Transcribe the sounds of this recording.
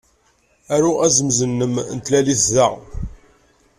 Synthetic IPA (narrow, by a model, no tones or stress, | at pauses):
æɾuæzəmzənːəmnt̪læliθðaʁ